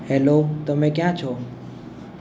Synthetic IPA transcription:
hɛlot̪əmẽkjãt͡ʃʰɔ

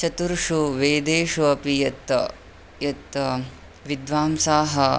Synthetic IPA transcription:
t͡ʃɐt̪uɾʂuʋeːd̪eːʂuɐpijɐt̪ːɐ̰ | jɐt̪ːɐ | ʋid̪ʋaːmsaːɦɐ

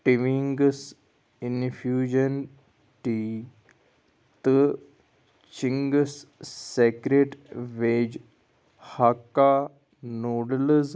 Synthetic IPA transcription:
ʈiʋiŋɡs | infjuːd͡ʒən | ʈi | t̪ə | t͡ʃiŋɡsːekɾeʈʋeːd͡ʒ | hakːa | noːɽləz

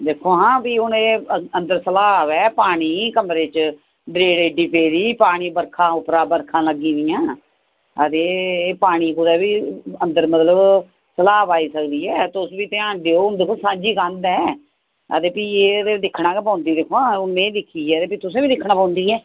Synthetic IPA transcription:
d̪eːkʰːoːɦãːpiːʊneːənd̪əɾsəlaːʋɛːpaːɽ̃iːkəmɾeːt͡ʃ | ɖɾeːɽeːɖiːpeːɾiːpaːɽ̃iːbəɾkʰãːʊpɾaːbəɾkʰãːləɡĩːd̪ɪjãː | ət̪eːpaːɽ̃iːkʊɾɛːbiːə̃nd̪əɾmət̪ləb | səlaːpaːiːsəkd̪iːɛːt̪ʊsbiːt̪ẽãːɳɖeːoːʊnd̪eːkʰːoːsãːd͡ʒiːkãːnd̪ɛː | ə̰t̪eːpiːeːd̪ed̪ɪkʰːɽãːkpãːnd̪iːd̪eːkʰːoːʊnːẽːd̪ɪkʰːiːɛːt̪eːpiːt̪ʊsẽːbiːd̪ɪkʰːɳãːpãːnd̪iːɦɛː

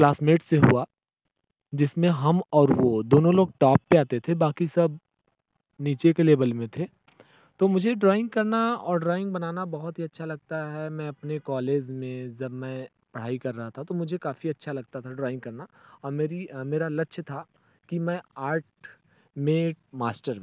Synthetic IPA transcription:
plaːsmeːʈseɦṵa | d͡ʒɪsmẽɦɐmɔːɾʋod̪oːnõloːɡ̚ʈɔːpːeaːt̪et̪ʰebaːkisɐb | niːt͡ʃekeleːbəlmẽt̪ʰeː | t̪oːmʊd͡ʒʱeɖɾaːɪ̃ŋɡ̚kɐɾnaɔːɾɖɾaːɪ̃ŋɡ̚bɐnaːnabɐɦʊt̪ɦiɐtːʃʰalɐɡ̚t̪aɦɛmɛ̃ɐpnekɔːleːd͡ʒmẽd͡ʒɐbmɛ̃ː | pɐɽ̤aːikɐɾːɐɦat̪ʰat̪omʊd͡ʒʱekaːfiɐtːʃʰalɐɡ̚t̪at̪ʰaɖɾɔːɪ̃ŋɡ̚kɐɾnaɔːɾmeːɾimeːɾalɐtːʃʰt̪ʰa | kimɛ̃aːɾʈ | mẽmaːsʈəɾ

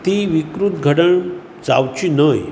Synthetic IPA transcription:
t̪iʋikɾut̪ɡʱəɽəɳ | d͡za̰wt͡ɕinəj

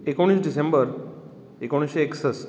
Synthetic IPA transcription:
ekoɽ̃isɖisẽmbəɾ | ekõɳ̃isɕeːksəs

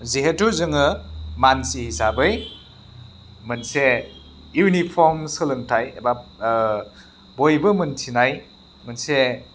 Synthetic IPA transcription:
ziɦetuzɯŋɯmansihisabɯj | mɯnse | junipʰɔɾmsɯlɯntʰajeba | bojbɯmɯntʰinaj | mɯnse

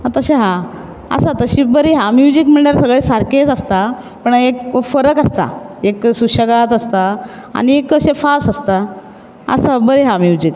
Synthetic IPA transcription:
at̪əɕeɦã | ə̰sat̪əɕibəɾiɦãmjud͡ʑikmiɳɖəɾsəɡɭesaɾket͡səst̪a | pəɳekfəɾəkəst̪a̰eksuɕəɡat̪əst̪a | a̰ñiekːəɕefasəst̪a | ə̰sabəɾeɦãmjud͡ʑik

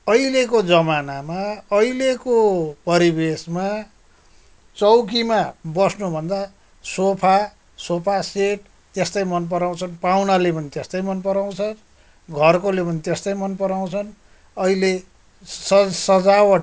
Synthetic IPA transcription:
ʌilekod͡zʌmanamaʌilekopʌɾibesma | t͡sʌwkimabʌsnubʱʌnd̪a | sopʰa | sopʰaseʈ | t̪est̪ʌjmʌnp̬ʌɾaw̃t͡sʰʌnpawnalepʌnit̪est̪ʌjmʌnpʌɾaw̃t͡sʰʌn | ɡʱʌrkolepʌnit̪est̪ʌjmʌnpʌɾaw̃t͡sʰʌn | ʌile | ssʌd͡zawʌ

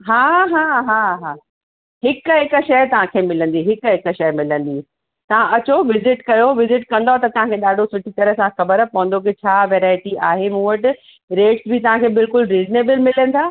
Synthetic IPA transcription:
ɦaːɦaːɦaːɦaː | ɦɪkɦɪkə̆ʃɐjt̪ɐʋ̤ãkʰeːmɪlə̃nd̪iɦɪkɦɪk̆ʃɐjmɪlə̃n̆d̪iː | t̪ɐʋ̤ãʔɐt͡ɕoʋɪzɪʈkɐjoʋɪzɪʈkɐ̃nd̪oat̪ɐt̪ɐʋ̤ãkʰeːɗaːɖʱosʊʈʰit̪ɐɾəsãxɐbəɾpɐ̃ɦə̃nd̪ok̬et͡ɕʰaːʋeːɾaːɪʈiaːɦemũːʋəʈɪ | ɾeːʈsbɪt̪ɐʋ̤ãkʰeːbɪlkʊlɾiːzneːbəlmɪlə̃n̆d̪ʰaː

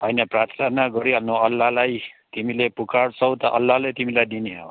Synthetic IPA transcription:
ɦʌjnʌprat̪ʰɾanaɡʌɾiʌlnoʌlːaɦlajt̪imilepukaɽt͡sʰʌwt̪ʌʔʌlːaɦlet̪imilajd̪ineɦʌw

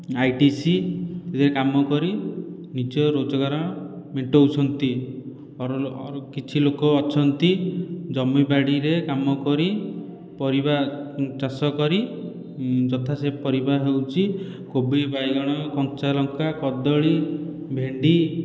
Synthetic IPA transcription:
ajʈisit̪et̪ʰiɾekamɔkɔɾi | nit͡ʃɔɾod͡ʒɔɡaɾɔ̃ | meɳʈɔut͡ʃʰɔnt̪i | ɾkit͡ʃʰilokɔːt͡ʃʰɔnt̪id͡ʒɔmːibaɽiɾekamɔkɔɾi | pɔɾibat͡ʃasɔkɔɾi | d͡ʒɔt̪ʰasepɔɾibaɦewt͡ʃʰi | kobibajɡɔɽ̃ɔkɔŋt͡ʃalɔŋkakɔd̪ɔɭi | bʱeɳɖi

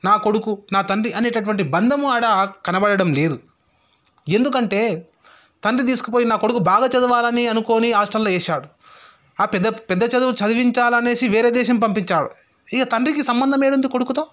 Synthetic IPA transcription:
naːko̞ɽukunaːt̪ɐɳɖiʔɐne̞ːʈɐʈuʋɐɳʈibɐnd̪ʱɐmuɐɽaːkɐnɐbɐɽɐɽɐmle̞ːd̪u | e̞nd̪ukɐɳʈe̞ː | t̪ɐɳɖɾid̪iːsu̥kɐp̬oːjinaːko̞ɽukubaːɡɐt͡ʃɐd̪uʋaːlɐniɐnuko̞ːniaːʂʈɐlːoːɛːʃaːɽu | aːpɛd̪ːɐpɛd̪ːɐt͡ʃɐd̪uʋut͡ʃɐd̪uʋiɲt͡ʃaːlɐne̞ːsiʋeːɾeːd̪ɛːʃɐmpɐmpiɲt͡ʃaːɽṵ | ikɐt̪ɐɳɖrikisɐmbɐnd̪ɐmeːɽund̪iko̞ɽukut̪oː

